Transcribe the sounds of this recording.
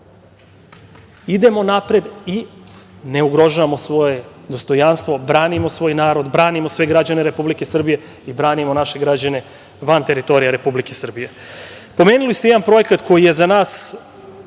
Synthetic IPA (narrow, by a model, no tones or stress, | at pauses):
id̪e̞mo̞napɾed̪i | neuɡɾo̞ʒuʋamo̞sʋo̞je̞d̪o̞st̪o̞janst̪ʋo̞bɾaːnimosʋo̞ːjnaːɾo̞d̪bɾaːnimosʋe̞ɡɾad͡ʑaneɾe̞publikesr̩bije̞ | ibɾaːnimonaʃe̞ɡɾad͡ʑane̞ | ʋant̪e̞ɾit̪o̞ɾijaɾe̞publikesr̩bije̞ | po̞meːnulist̪jeanpɾo̞je̞kat̪ko̞jije̞zanaːs